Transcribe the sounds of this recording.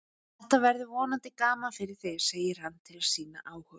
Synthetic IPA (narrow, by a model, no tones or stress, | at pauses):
θɛht̪avɛɾðʏvɔːnant̪ɪkaːmafɪɾɪɾ̥θɛseːjɪɾ̥hanːt̪ʰɪlḁsiːna̰ʔaːwhœ